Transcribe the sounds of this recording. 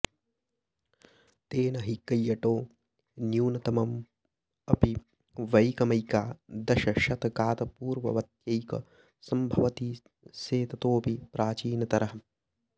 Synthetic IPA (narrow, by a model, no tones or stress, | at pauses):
t̪eːnɐɦikɐjːɐʈoː | njuːnɐt̪ɐmɐm | ɐpi | ʋɐjkɐmɐjkaːd̪ɐʃɐʃɐt̪ɐkaːt̪ɐpuːɾʋɐ̰ʋɐt̪jɐjkɐ̰ | sɐmbʱɐʋɐt̪iː | seːt̪ɐt̪oːpipɾʔaːt͡ʃiːnɐt̪ɐɾɐɦɐ